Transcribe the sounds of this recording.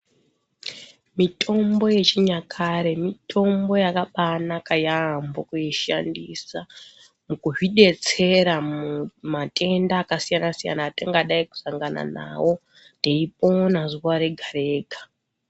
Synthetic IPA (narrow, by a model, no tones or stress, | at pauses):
mitʰo̞mbo̞je̞t͡ʃiɲakʰaɾe̞mitʰo̞mbo̞jakaɓanakajambokujiʃandisa | mukuɦiɗe̞t͡se̞ɾaumatʰʼe̞ndaːkasijanasija̰nateŋɡaɗaiku̥saŋɡana̰na̰wo̞ | teipo̞nazuʋaɾe̞ɡʱaɾe̞ːɡʱḁ